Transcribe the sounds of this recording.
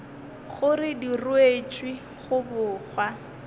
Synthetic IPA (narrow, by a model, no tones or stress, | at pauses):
χʊrɪdirʊet͡ʃʼwi | χʊbʊːχwa